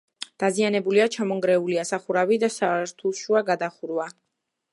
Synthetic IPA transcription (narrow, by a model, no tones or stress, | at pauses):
d̪̥azianɛbuliat͡ʃʰamɔŋɡɾɛuliasaχuɾavid̪asaɾt̪ʰuʃuaɡad̪aχuɾwa